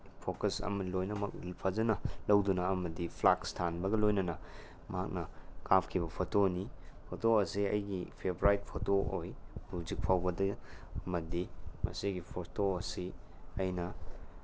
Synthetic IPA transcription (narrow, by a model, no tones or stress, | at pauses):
pʰokɐsɐ̰mɐlojnɐmɐk̚pʰazɐnɐlɐwdunɐːmɐdipʰlakstʰanbɐɡɐlojnɐnɐ | mɐɦhak̚nɐkapkʰibɐpʰotonipʰotoɐsiɐ̰jɡipʰebɾajt̚pʰotoojhuzik̚pʰawbɐdɐɐmɐdimɐ̰siɡipʰotoɐsi | ɐjnɐ